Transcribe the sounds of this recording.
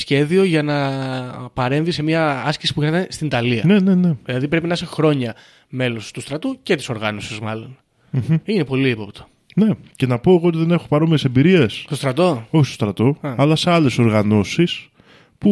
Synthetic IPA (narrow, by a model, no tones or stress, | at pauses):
sçe̞ðio̞ʝɐnɐ | pɐɾe̞ɱvise̞miɐɐsci̥sipuenɐt̪ɐnest̪ind̪ɐliɐne̞ne̞ne̞ðilɐðip̬ɾe̞pinɐisexɾo̞ɲɐ | me̞lo̞st̪ust̪ɾɐt̪uce̞t̪iso̞ɾɣɐno̞sizmɐlo̞n | m̩inepo̞liipopt̪o̥ | ne̞ce̞nɐpo̞eɣoot̪iðe̞ne̞xopɐɾo̞miesembiɾie̞sst̪ost̪ɾɐt̪o̞oçist̪ost̪ɾɐt̪o̞ɐlɐseɐle̞so̞ɾɣɐno̞sis | pu